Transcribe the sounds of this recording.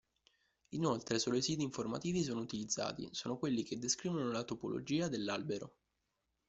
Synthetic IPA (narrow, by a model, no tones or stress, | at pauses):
inolt̪ɾesoːloisiːt̪̬iːɱforma̰t̪iːvis̬oːnout̪ilid̪zːa̰ːt̪ḭsoːnokwelːiked̪ːeskɾiːvonolat̪opo̰lʔo̰d͡ʒiːad̪elːalbeɾo̰